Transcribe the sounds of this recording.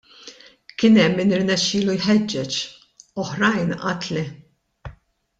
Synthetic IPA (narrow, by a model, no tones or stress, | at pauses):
kɪnɛmːinɪɾnɛʃːɪːlujħɛd͡ʒːɛt͡ʃ | ɔħɾɐjnʔɐt̪lɛ